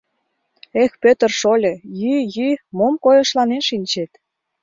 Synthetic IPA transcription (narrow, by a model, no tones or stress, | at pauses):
expøt̪ə̆rʃolʲɤ̆jyjymomkojɤ̆ʃlɑnenʃinʲt͡ɕet̪